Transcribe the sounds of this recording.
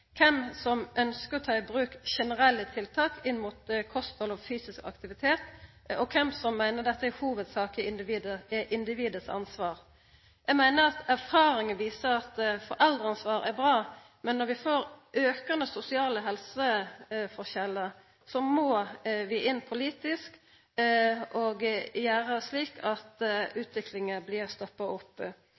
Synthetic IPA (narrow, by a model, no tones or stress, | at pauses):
kʰɛmsɔmʔœnskəɾɔt̪ʰɑːɪbɾʉːkʃɛnəɾɛlːət̪ʰɪlt̪ʰɑːkɪnːmut̪kʰɔst̪hɔlɔfyːsɪskɑ̰kt̪ɪʋɪt̪ʰeːt̪ | ɔkʰɛmsɔmːæɪnəʁd̪ɛt̪ːəæhuːʋəd̪sɑːkɪɪnd̪ɪʋiːd̪əɛʔɪnd̪ɪʋiːd̪əsɑ̰nsʋɑːɾ | jæɡmæɪnəɾɑt̪æɾfɑːɾɪŋənʋiːsəɾɑt̪fɔɾʔɛld̪ʁɑnsʋɑːɾæɾbɾɑː | mɛnːɔɾʋɪfoːɾʔøːkɑnəsʊsɪɑːləɦɛlsəfɔɾçɛlːə | sɔmɔːʋɪʔɪnːpʰʊliːt̪ɪsk | ʔɔɡjæːɾəsliːkʰɑt̪ʉːt̪ʋɪklɪŋəblɪʁst̪ɔpːɑʊpː